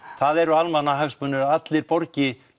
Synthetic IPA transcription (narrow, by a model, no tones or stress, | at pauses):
θaðɛɾʏalmanːaɦaɣspœnːʏɾaat̪lɪɾpɔɾcɪ